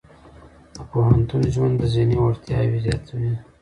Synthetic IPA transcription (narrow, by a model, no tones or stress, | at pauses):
d̪əpoɦant̪unʒwand̪əzinioɽt̪jɑwizjɑt̪wi